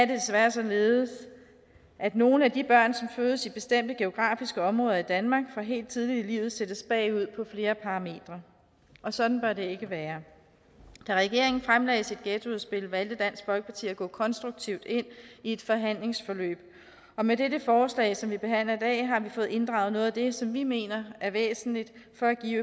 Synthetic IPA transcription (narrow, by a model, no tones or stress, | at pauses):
æɐde̝d̥esʋæɐsɒ̽le̝ːð̩ˠs | ʔæd̥no̝ːnəæd̥ib̥ɶɐ̰nsɒ̽mføːðˠəsib̥e̝sd̥em̰d̥əɡ̥e̝o̝ɡ̥ʁɑ̰̈ːfisɡ̥əɒ̽mʁɔ̽ːðˠɐid̥ænmɑ̈ːɡ̥fɑ̈ɦe̝̰ːld̥̚t͡sʰið̞ˠlilḭːʊð̞̩ˠsed̥əsb̥ɛ̰ːɪuð̞̰ˠpʰɒ̽fle̝ːɐpʰɑ̈ʁɑ̈me̝̰ːd̥ʁɐ | ʔɒ̽sɒ̽d̥n̩b̥ɶɐde̝e̝ɡ̥əʋæːɐ | d̥æʁɛɡ̥e̝ɐe̝ŋn̩fʁamlɛ̰ɪsid̥̚ɡ̥et͡sʰuðˠsb̥e̝lʋæld̥əd̥æn̰sɡ̥b̥ɒ̽lɡ̥əpʰɑ̈t͡sʰḭːɐɐɡ̥ɔ̰̽ːkʰɒ̽nsd̥ʁuɡ̥̚t͡sʰiʊd̥e̝n̰ie̝d̥fɒ̽ɦæn̰le̝ŋsfɒlø̰ːb̥ | ɒ̽mededəfɒːslɛ̰ɪsɒ̽mʋib̥e̝ɦæn̰lɐid̥ɛ̰ːɦɑ̈ʋifɔ̽ːð̩ˠe̝nd̥ʁɑ̈ʊð̩ˠnɔ̽ːð̞ˠæd̥e̝sɒ̽mʋime̝̰ːnɐæɐʋḛːsn̩lid̥fɒ̽æɡ̥ḭː